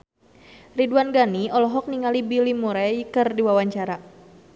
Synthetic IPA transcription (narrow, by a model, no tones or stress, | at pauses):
riduanɡaniɔlɔɦɔk̚niŋalibilimuɾaikərdiwawaɲt͡ʃaɾa